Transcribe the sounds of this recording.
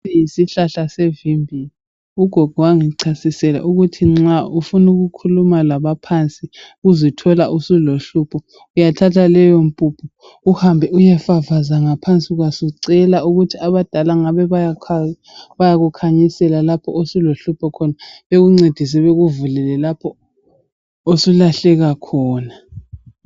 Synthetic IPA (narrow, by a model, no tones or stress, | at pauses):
ijisiɬaɬasevimbʱili | uɡ̥ʱɔɡ̥ʱɔwaŋiǀʰasisɛla̰ʔuɣutʰiŋ͡ǁaʔufunuɣukʰulumalaβapʰant͡sʼiuzitʰɔlaʔusuloɬuːpʰɔ | ujatʰatʰalɛjompʼupʰɔ | uhambʱɛujɛfavazaŋapʰant͡sʼiɣwasuǀɛlauɣutʰiaβad̥ʱalaŋaβɛβajakʰa | βajaɣukʰaɲisɛlalapʰɔosuloɬupʰɔkʰɔnaβeɣuŋ͡ǀed̥ʱis̬ɛβeɣuvulɛlɛlapʰɔ | osulaɬɛɣakʰɔːna